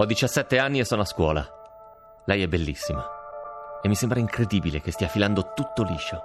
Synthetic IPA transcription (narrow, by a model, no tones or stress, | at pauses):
ɔd̪ːit͡ʃasːɛt̪ːeanːiesːɔːnoaskwɔːla̰ | lɛjɛbːelːisːima | emːisembɾaiŋkɾed̪iːbilek̟est̪iːafiland̪ot̪ut̪ːoliːʃo